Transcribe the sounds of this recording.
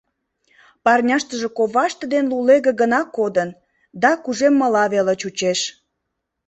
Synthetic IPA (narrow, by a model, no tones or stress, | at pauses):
pɑrnʲɑʃt̪əʒe̽koβɑʃt̪ə̆d̪enluleɣĕɡənɑkːod̪ən | d̪ɑkuʒemːəlɑβelət͡ɕut͡ɕeʃ